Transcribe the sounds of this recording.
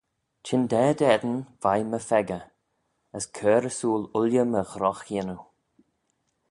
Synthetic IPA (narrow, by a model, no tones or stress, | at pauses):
t͡ʃʰɪnd̪ɛːd̪ɛd̪ən̩v̥ajməfɛɡə | əskʰɜːɾəsuːlʊljəməxɾɔxinu